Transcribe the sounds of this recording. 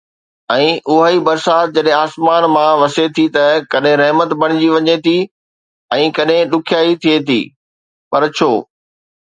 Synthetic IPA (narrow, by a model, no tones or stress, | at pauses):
ɛ̃ːʔʊɦaːibɐɾsaːt̪̚d͡ʑɐɗɦẽaːsmaːnmãʋɐset̪ʰit̪ɐkɐɗɦẽɾɐɦmət̪bɐɽ̃ɪd͡ʑiʋɐɲet̪ʰi | ɛ̃ːkɐɗɦẽɗʊkʰijaːit̪ʰiet̪ʰḭː | pɐɾt͡ɕʰoː